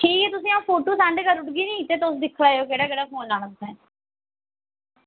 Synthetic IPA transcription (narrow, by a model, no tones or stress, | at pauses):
ʈʰiːket̪ʊsĩːãːpʰoːʈoːsɛ̃ːɳɖkəɾʊʈɡiːnĩːt̪eːt̪ʊsd̪ɪkʰːlaːeoːkeːɽaːkeːɽaːkʰoːnlaːɳəsɛ̃ː